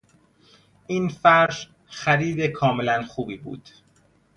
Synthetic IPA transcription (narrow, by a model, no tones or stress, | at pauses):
ʔiːnfæɾʒ | xæɾiːd̪ekʰɒːmelænxuːbiːbṵːd̪̥